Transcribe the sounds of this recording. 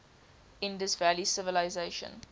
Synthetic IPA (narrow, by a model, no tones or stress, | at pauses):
ɪ̃ndɪsvælisɪvəlaɪzeʃə̰̃n